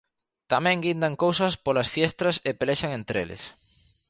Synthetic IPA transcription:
t̪amɛ̃ŋɡind̪aŋkowsɐspolasfjest̪ɾɐsepeleʃaŋẽnt̪ɾelɪ̰s

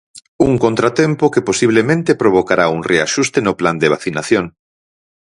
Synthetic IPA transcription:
uŋkõnt̪ɾat̪ɛmpʊkeposiβ̞lemẽnt̪epɾoβ̞okaɾauŋreaʃust̪enʊpland̪eβaθinaθjoŋ

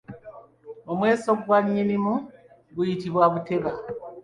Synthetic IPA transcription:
o̞mweːsoɡwaɲːinimu | ɡujitiβwaβute̞βa

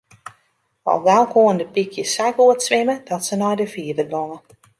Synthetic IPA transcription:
ɔ̰lˠʋɛlˠkʰoəndəpikʰjəsajkuətsʋɪmədɔtsənɔjdəfiəvərboŋə

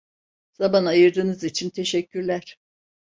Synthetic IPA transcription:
z̥amanajɯɾd̪ɯːnɯzit͡ʃʰint̪ʰe̞ʃɛcʰːyɾlʲæɾ̥

